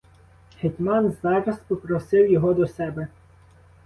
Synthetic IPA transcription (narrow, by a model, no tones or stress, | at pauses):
hetʲmɑnzɑɾɐspɔpɾɔsɪwjɔɦɔd̪ɔsɛbɛ